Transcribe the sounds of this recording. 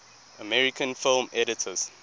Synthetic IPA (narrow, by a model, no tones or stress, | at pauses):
əmɛɹikʰə̃nfɪlmɛɾitʰəz̥